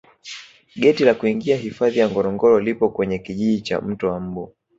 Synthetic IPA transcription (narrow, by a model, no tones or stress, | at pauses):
ɠɛtilakuiŋɡiaɦifaðijaŋɡɔɾɔŋɡɔɾɔlipɔkwɛɲɛkiʄiʄit͡ʃa̰m̩tɔwam̩ɓu